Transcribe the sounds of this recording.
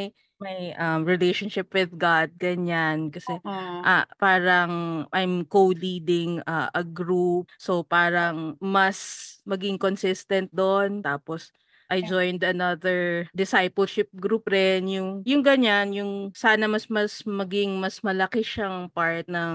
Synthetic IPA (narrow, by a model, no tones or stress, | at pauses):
mɐj | mɐjʔɐmɹɪlejʃonʃɪpwɪðɡad̪̚ɡɐɲankɐsɛʔɐpaːɾɐŋʔajmkowlid̪ɪŋɐʔɐɡɹup̚so̞paːɾɐŋmɐsmɐɡɪŋkonsɪst̪ɐnt̪̚d̪ont̪aːpos | ʔɐjd͡ʒojnd̪ɐnɐðɛɹd̪ɪsajpɛlʃɪp̚ɡɾupɾɛnjʊŋjʊŋɡɐɲanjʊŋsaːnɐmɐsmɐsmɐɡɪŋmɐsmɐlɐkɪʃaŋpaɹt̪̚nɐŋ